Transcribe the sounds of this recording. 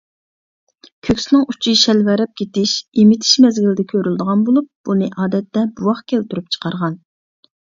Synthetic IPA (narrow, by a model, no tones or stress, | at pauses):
kʲʰøkʲsɪnɪŋʔut͡ʃʰiʃɛlvæɾɛp̚kʲet̪ɪʃimɪt̪ʰɪ̥ʃmɛzɡʲilɪd̪ɛkʲʰøɾyld̪əʁɑnbolˠup̚b̥unɨʔɑːd̪ɛt̪ːɛbuwɑχkʲʰælt̪yɾyp̚t͡ʃʰə̥qʰɑɾʁɑn